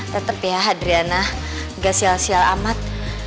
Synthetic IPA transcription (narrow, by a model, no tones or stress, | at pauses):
t̪ət̪əpiaɦadɾianah | ɡasialsiala̰mat̪̚